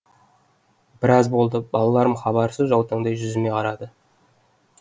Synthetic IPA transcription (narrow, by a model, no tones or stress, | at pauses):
bɪɾɑzbo̞lˠd̪əbɑlˠɑlˠɑɾəmχɑbɑɾsəzʒɑwt̪əɴd̪ɑjʒʏzɪmeqʰɑɾɑd̪ə